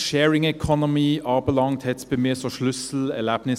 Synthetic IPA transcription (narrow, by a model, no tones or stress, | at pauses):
ʃeːɹɪŋɛkʰɔnʊmiʔɑːbəlɑŋt̪ʰɛt̪spemeːsɔʃlʉsl̩ɛ̰læbnɪ